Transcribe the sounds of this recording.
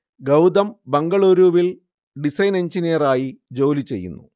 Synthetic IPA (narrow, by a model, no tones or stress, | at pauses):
ɡɐwd̪ɐmbɐŋɡɐɭuːɾuːʋil | ɖisɐjne̞ɲd͡ʑinijɐraːjid͡ʑo̞ːlit͡ɕe̞̰jːṵnːṵ